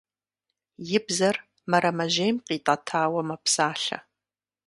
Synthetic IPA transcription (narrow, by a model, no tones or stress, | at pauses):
jɪbzɐr | mɐɾɐmɐʒejmqʼiːtʼɐtʰaːwɐmɐpʰsaːɬɐ̰